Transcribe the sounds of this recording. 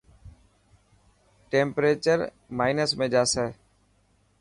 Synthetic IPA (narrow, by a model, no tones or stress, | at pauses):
ʈẽːmpɾeːt͡ʃəɾ | maːɪnəsmẽːd͡ʒaːsɛː